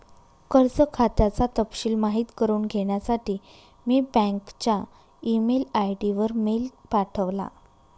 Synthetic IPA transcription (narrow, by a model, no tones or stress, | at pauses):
kəɾt͡səkʰat̪jat͡sat̪əpɕiːlmaɦiːt̪kəɾuːnɡʱeɽjasaʈiː | miːbɛ̃ŋkt͡ɕa | imelajʈiʋəɾmelpaʈʰəʋla̰